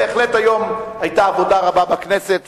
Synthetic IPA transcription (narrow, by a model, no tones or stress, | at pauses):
eːχle̞tajo̞majtaːvo̞daʁababakne̞set̪